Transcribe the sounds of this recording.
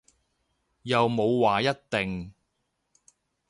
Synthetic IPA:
jɐ˨wmo˨˧wwaː˨jɐ˥t̚t̪ɪ˨ŋ

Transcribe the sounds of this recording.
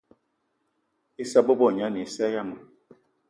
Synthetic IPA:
i˦sa˦bo˦bɔ˦˨ɲa˦ni˨sɛ˦ja˦˨ma˨

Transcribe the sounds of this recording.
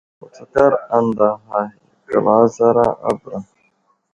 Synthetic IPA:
o˨t͡sa˨ka˦ɾa˦n˨da˨ɦa˨ka̰˨la˨˦za˦ɾa˦a̰˦bɾa˨

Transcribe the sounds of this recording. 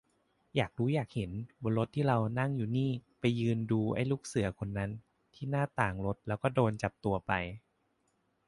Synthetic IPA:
jaː˨˩k̚duː˦˥jaː˨˩k̚he˩˦nbo˧nlɾo˦˥t̪ʰːiː˥˩ɾa˧wna˥˩ŋjuː˨˩niː˥˩pa˧jːɯː˧nduː˧ʔa̰˥˩jluː˥˩k̚sɯ˩˦ɐkʰo˧nːa˦˥n | t̪ʰiː˥˩naː˥˩t̪aː˨˩ŋɾo˦˥t̪̚lɛː˦˥wkɔː˥˩doː˧nt͡ɕa˨˩p̚t̪u˧ɐpa˧j

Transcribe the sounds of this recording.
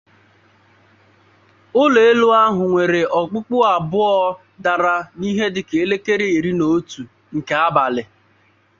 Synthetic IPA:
ʊ˦le˨e˦lu˦a˦ɦʊ˨ŋʷe˨ɾe˨ɔ˨k͡pʊ˦k͡pʊ˦a˨bʊ˦ɔ˦ | da˨ɾa˨ni˦ɦe˦dɪ˨ke˨e˦le˦ke˦ɾe˨i˨ɾi˦no˨˦tu˨ | ŋ̩˨ke˨a˦ba˨lɪ˨

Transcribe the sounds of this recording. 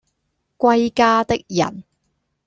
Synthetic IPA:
kʷɐ˧jkaː˧t̪ɪ˥k̚jɐ̰˨˩n

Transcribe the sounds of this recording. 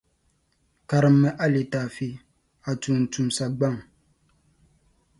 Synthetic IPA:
ka˨ɾɨ˨mːɛ˦ʔa˦li˨taː˨fi˦ | a˨tu˨n̩˨tu˨msa˨ɡ͡ba˦˨ŋ

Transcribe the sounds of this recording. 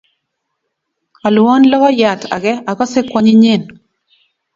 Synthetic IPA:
a˨lwɔ˦nlɔ˦kɔ˦ja˨ta̰˨ɡɛ˦a˨kɔ˦sɛ˦kwa˦ɲɪ˦ɲɪ˦˨n

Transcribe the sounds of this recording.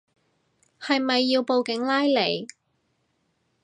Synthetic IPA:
hɐ˨jmɐ˨jːiː˧wpo˨wkɪ˨˥ŋlaː˥jle˨˩j

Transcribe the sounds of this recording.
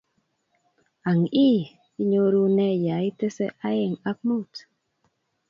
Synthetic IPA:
a˨ŋi˦ | i˦ɲo˦ɾu˦nɛ˦ja˨i˦te˦sḛ˦ʔa˦je˨ŋa˦k̚mu˦t

